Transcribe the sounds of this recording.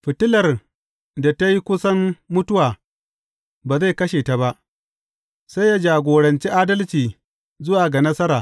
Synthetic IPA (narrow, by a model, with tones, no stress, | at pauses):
ɸɪ˨tɪ˦lɐ˨r | da˨ta˦ji˦kʷʊ˦sɐ˦mːʊ˦tʊ˦waː˨ | baː˨za˦˨jkɐ˦ʃeː˨ta˨ba˦ʔ | sa˦jjaː˦d͡ʒaː˨ɡʷoː˨ɽɐ˨nt͡ʃi˦ʔaː˦dɐ˦lt͡ʃiː˨ | zʊ˦waː˨ɡa˨nɐ˦sɐ˦ɾaː˨